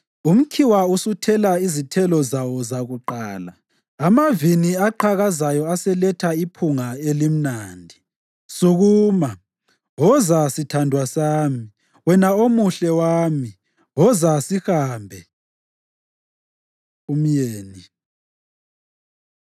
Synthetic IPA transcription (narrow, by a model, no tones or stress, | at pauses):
um̩kʰiwausutʰɛlaizitʰɛlɔzawɔzaɣuǃaːlaː | maviniaǃʰaɣazajɔasɛlɛtʰaipʰuŋaelim̩naːndʱi | suɣuːma | wɔzasitʰandʱwasaːmi | wɛnaomuɬɛwaːmi | wɔzasixaːmbʱɛ | um̩jeːni